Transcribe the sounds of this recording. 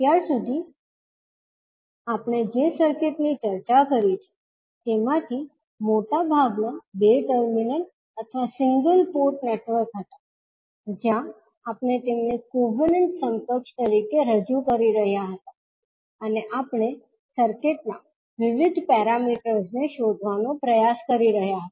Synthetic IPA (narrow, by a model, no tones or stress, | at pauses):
t̪jaɾsud̪ʱi | apɳ̃ed͡ʒesəɾkeʈnit͡ʃəɾt͡ʃakəɾit͡ʃʰe̥ | t̪emãt̪ʰi | moʈabʱaɡnabeʈəɾminə | ət̪ʰʋasɪŋɡəlpoɾʈneʈʋəɾkɦət̪a | d͡ʒjã | apɳ̃et̪emniɡoʋəɾnəɳʈsəmpəkʃt̪əɾikeɾəd͡ʒukəɾiɾəɦjaɦət̪a | əneʔapɳ̃e | səɾkeʈ̚na | ʋɪʋɪd̪ʱpɛɾamiʈəɾsneʃod̪ʱʋanõpɾəjaskəɾiɾəɦjaɦət̪a